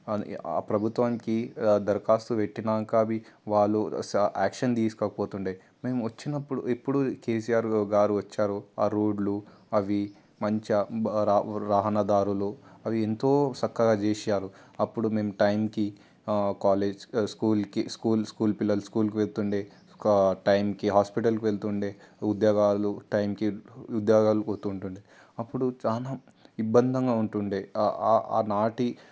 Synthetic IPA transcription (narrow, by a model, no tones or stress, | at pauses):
pɾɐbʱut̪ʋaːmkid̪ɐɾkaːst̪uʋeʈːinaːŋkaːɐʋiʋaːɭːuaːkʂɐnd̪iːskɐːkɐpoːt̪uɳɖej | me̞ːmuʋɐt͡ʃːinɐpːuɽuipːuɽukeːs̬ijaːɾɡaːɾuʋɐt͡ʃːaːɾuaːɾoːɖlu | ɐʋi | mɐɲt͡ʃi | ɾaːɦɐnɐd̪aːɾuluɐʋient̪o̞ːt͡ʃɐkːɐɡaːd͡ʒeːsaːɾuɐpːuɽume̞ːmuʈɐjmki | kaːleːd͡ʒskuːlkiskuːlskuːlpilːɐluskuːlk̬iʋelt̪uɳɖe | ʈɐjmkiɦaːspiʈ̬ɐlkiʋelt̪uɳɖeːud̪jaːɡaːluʈɐjmkiud̪jaːɡaːlukost̪uːɳʈuɳɖi | ɐpːuɽut͡ʃaːla | ibːɐnd̪ʱɐŋɡaːuɳʈuɳɖeːa̰ːnaːʈi